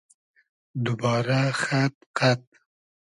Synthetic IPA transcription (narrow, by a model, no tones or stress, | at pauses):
d̪ʊbɑːɾaxat̪̚qat̪̚